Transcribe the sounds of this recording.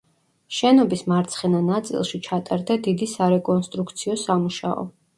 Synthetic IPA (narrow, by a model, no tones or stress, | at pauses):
ʃɛnɔbismaɾt̪sʰχɛnanat̪sʼḭlˠʃit͡ʃʰat̪ʼaɾd̪ad̪id̪isaɾɛkʼɔnst̪ʼɾuk̚ʰt̪sʰiɔsamuʃa̰ɔ̰